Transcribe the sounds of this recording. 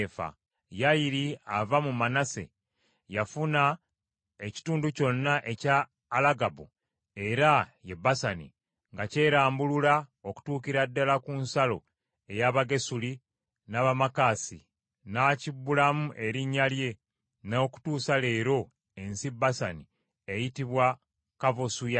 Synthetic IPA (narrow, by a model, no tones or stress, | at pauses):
fa̰ | jajiɾiavamumanase̞̰ | jafuna | eci̥tuːnduco̞nːaʔe̞caː | laɡabu | e̞ɾaje̞bːasanḭ | ŋɡace̞ːɾaːmbululao̞ku̥tuːkiɾadːalakunsalo̞̰ | e̞jaβaɡe̞suli | naβamakasi | nacibulamuʔe̞ɾiɲːalje̞ | naoku̥tuːsale̞ːɾo̞ | e̞nsibasani | ejitiβwa | kavosuja